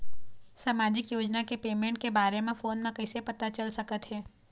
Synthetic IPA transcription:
saːmaːd͡ʒɪkjoːd͡ʒnakepeːmẽɳʈ̚kebaːɾemẽfoːnmẽkɐɪsepɐt̪at͡ʃɐlsɐkət̪ɦɛː

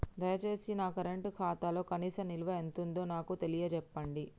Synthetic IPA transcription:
d̪ɐjɐt͡ʃe̞ːsinaːkɐɾɐɳʈkʰaːt̪aːlo̞ːkɐniːsɐniluʋɐe̞nt̪und̪o̞ːnaːkut̪e̞lijɐd͡ʒɛpːɐɳɖi

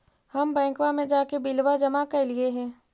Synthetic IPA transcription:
hɐmbɛ̃ːŋkwamẽd͡ʒaːkebɪlwad͡ʒɐmakelieɦɛ̃ː

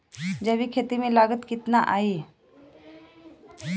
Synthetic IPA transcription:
d͡ʒəbikʰeːt̪imẽlaːɡət̪kɪt̪naʔaːiː

